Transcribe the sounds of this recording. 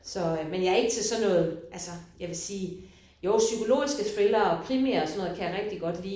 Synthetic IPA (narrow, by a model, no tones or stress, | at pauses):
sɒ̽menjɑ̈æɐe̝ɡ̥ət͡sʰe̝lsɒ̽nːɔ̽ːð̩ˠʔælsɒjɑʋe̝siː | joʊsykʰo̝lo̝̰ːisɡ̥ət͡sʰʁelɐːɒ̽kʰʁimeɐɒsɒnɔ̽ːð̩ˠkʰæjɑ̈ʁeɡ̥̚d̥iɡ̥ɒ̽d̥lḭː